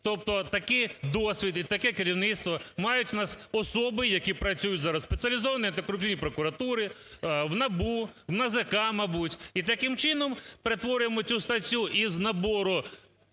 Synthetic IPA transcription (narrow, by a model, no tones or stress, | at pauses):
t̪ɔp̚t̪ɔt̪ɐkɪjd̪ɔsʲʋʲid̪it̪ɐkɛkɪɾʲiwnɪt̪st̪ʋɔmɑjʊtʲnɑsɔsɔbɪjɐkʲipɾɐt͡sʲujʊtʲzɑɾɐsspet͡sʲiɐlʲizɔʋɐniɐnt̪ekɾʊp̪ʲinʲipɾɔkʊɾɐt̪uɾɪ | wnɐbu | wnɐzekɑmɐbutʲit̪ɐkɪmt͡ʃɪnɔmpeɾe̞t̪ʋɔɾʲʊjemɔt͡sʲust̪ɐtʲːuʔiznɐbɔɾʊ